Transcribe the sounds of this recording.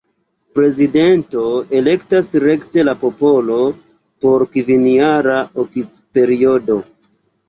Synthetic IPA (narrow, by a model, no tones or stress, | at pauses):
pɾe̞zide̞nto̞e̞le̞ktasɾe̞kte̞lapo̞po̞lo̞ | po̞ɾkiviniaɾaofit͡s | pe̞ɾio̞do̞